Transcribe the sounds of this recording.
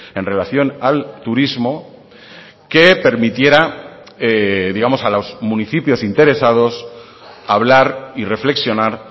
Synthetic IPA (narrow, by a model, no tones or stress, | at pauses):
e̞nre̞laθjo̞nalt̪uɾizmo̞ | ke̞pe̞ɾmit̪je̞ɾa | eðiɣamo̞salo̞zmũniθipjo̞sint̪e̞ɾe̞sað̞o̞s | aβlaɾire̞fle̞ksjo̞naɾ